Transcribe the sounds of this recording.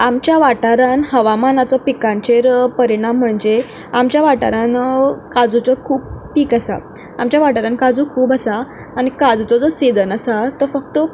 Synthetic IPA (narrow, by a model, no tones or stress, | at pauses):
amt͡ɕjaʋaʈaɾanɦəʋamanat͡sɔpikãɲt͡ɕeɾpəɾiɽ̃amːəɳd͡ze | amt͡ɕjaʋaʈa̰ɾankad͡zut͡sɔkʰuːbpiːkasa̰ | amt͡ɕjaʋaʈaɾãnkad͡zuːkʰuːbəsaː | ɽ̃ikad͡zut͡sɔd͡zɔsid̪ʱənəsat̪ɔfək̚t̪ə